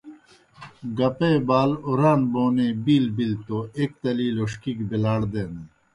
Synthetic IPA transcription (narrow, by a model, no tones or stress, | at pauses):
ɡɐpeːbaːloɾaːnboːnebiːlbilt̪oeːk̚t̪ɐliːloːʂkikbelaːɽd̪eːne